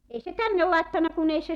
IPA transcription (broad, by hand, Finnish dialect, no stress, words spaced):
ei se tænːe lɑˑetːɑnːɑ kun ei se